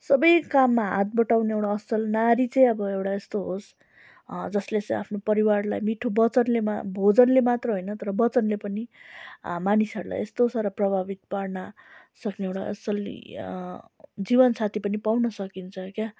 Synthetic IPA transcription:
sʌbʌjkamːaɦa̰t̪̚bʌʈawneewɽaʌsʌlnaɾit͡sʌj̃ʌbʌewɽaest̪oɦos | d͡zʌslet͡sʌĩa̰pʰnopʌɾiwarlajmiʈʰobʌt͡sʌnlemabʱod͡zʌnlemat̪rʌɦojnʌt̪ʌɾʌbʌt͡sʌnlepʌni | manisʌɾula̰jest̪osʌɾʌprʌbʱabit̪̚parnʌ | sʌkneewɽa̰ʔʌ̰ʌl̰ | d͡zibʌnt͡sʰat̪ʰipʌnipawnʌsʌkint͡sʰʌkja

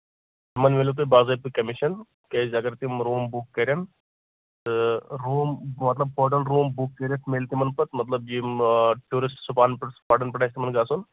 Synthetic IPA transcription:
t̪imɐnʋelʲut̪̬ubaːzɐːp̪ɨkɐmiʃɐn | kɐːzɐɡɐɾt̪imɾoːmbukːɐɾjɐn | t̪ɨɾoːmmɐt̪lɐbpoːʈɐnɾoːmbukːɐɾʲjɐt̪meːlt̪imɐnpɐt̪mɐt̪lɐbjiʈuːɾisʈsupaːnpɐʈspaːʈɐnpʲɐʈaːsʲt̪imɐnɡaːsun

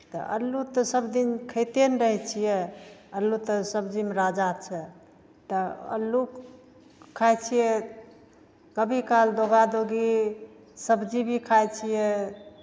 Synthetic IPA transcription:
t̪ɔ̰ʔə̰lːut̪ɔsəbd̪inkʰəɪt̪enɾəɦɛt͡ʃʰijɛəlːut̪ɔsəbd͡ʒimeɾad͡ʒat͡ʃʰɛ | t̪əə̰lːu | kʰːajt͡ʃʰijɛ | kəbʱikald̪oɡad̪oɡi | səbd͡ʒibʱikʰajt͡ʃʰijɛ

